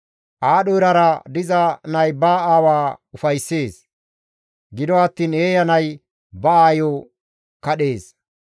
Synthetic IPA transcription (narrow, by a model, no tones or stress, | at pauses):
ʔaːɗɔɾɐɾɐd̪ɪzɐnɐjbaːaːwaːʊfɐjsːe̞ːs | ɡɪd̪ɔɐt̪ːiːneːjɐnɐj | bɐaːjo | kɐɗe̞ːs